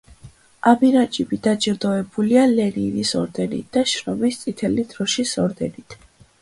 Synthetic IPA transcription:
abiɾat͡ʃʼibid̪at͡ʃʼiɾd̪ɔɛbulialɛninisɔ̰ɾd̪ɛnḭt̪̚d̪̥aʃɾɔmist̪sʼit̪ʰɛlid̪̥ɾɔʃisɔɾd̪ɛnit̪ʰ

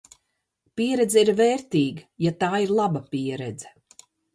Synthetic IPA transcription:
piɛɾɛd̪zɛiɾvɛːɾt̪iːɡajat̪aːiɾlˠabapiɛɾɛd̪zɛ̥

